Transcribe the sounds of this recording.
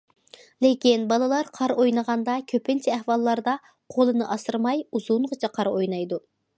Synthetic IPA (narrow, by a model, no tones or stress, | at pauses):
lekʲinbɑlˠɨlˠɑɾqʰɑɾojnɨʁɑnd̪ɑkʲʰøpɪnt͡ʃʰɛɛhwɑlˠːɑɾd̪ɑ | qʰolˠɨnɨʔɑsɨɾmɑjuzuɴʁət͡ʃʰɛqʰɑɾojnɑjd̪u